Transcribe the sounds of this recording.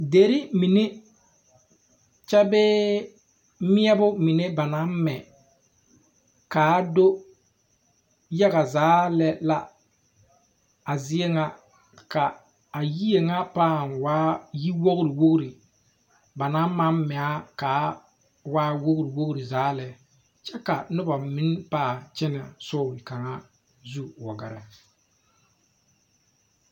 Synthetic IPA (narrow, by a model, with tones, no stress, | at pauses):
de˨ɾɪ˦mi˨ne˦ | t͡ʃɛ˦bɛː˦ | mɪ˦ɛ˦bʊ˦mɪ˨ne˦ba˨na˦m˦mɛ˨ | kaː˨˦do˦ | ja˦ɣa˨zaː˨˦lɛ˦la˦ | a˨zɪ˦ɛ˦ŋa˦ | ka˨ | a˨ji˦je˨ŋa˦paː˦˨nwaː˦ji˦wo˦ɣɾi˨wo˦ɣɾi˨ | ba˨na˦ma˦mmɛ˨a˦kaː˨˦ | waː˦wo˦ɣɾi˨wo˦ɣɾi˨zaː˨˦lɛ˨ | t͡ʃɛ˦ka˨nʊ˦ba˨mɪ˦npaː˦˨t͡ʃɛ˦nɛ˨sɔ˦˨li˨ka˨ŋa˦ | zu˦wɔ˨ɡa˨ɾɛ˨